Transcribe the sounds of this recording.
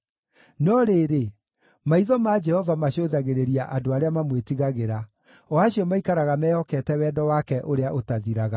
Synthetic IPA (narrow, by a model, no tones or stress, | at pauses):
nɔɾeːɾe | maiðɔmaːd͡ʒɛhɔvamaɕoðaɣeɾeɾiaʔadoaɾeamamwetiɣaɣeɾa | ɔaɕiɔmaikaɾaɣamɛɔkɛtɛwɛːdɔwakɛʔoɾeaʔotaðiɾaɣa